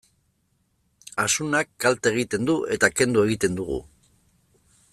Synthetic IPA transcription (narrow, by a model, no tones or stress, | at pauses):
asunakːalt̪eɣ̞it̪e̞nd̪uʔe̞t̪ake̞nd̪ue̞ɣ̞it̪e̞nd̪uɣ̞ṵ